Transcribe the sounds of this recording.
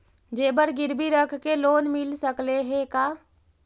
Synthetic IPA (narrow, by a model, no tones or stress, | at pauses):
d͡ʒeːbəɾɡɪɾbʱiɾəkʰkeloːnmɪlsəkleɦekaː